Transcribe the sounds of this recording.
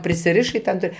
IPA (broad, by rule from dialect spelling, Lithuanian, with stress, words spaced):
pʲrʲɪsʲɪˈrʲɪʃɐɪ ˈtʲɛn ˈtoːj